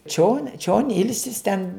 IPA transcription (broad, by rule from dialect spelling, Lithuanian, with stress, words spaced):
t͡ʃʲoːn t͡ʃʲoːn ˈɪlʲsʲɪs tʲɛn